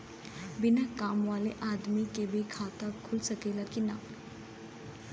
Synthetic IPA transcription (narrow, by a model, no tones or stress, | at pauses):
binakamwaleʔad̪mikebʱikʰat̪akʰulsəkelakina̰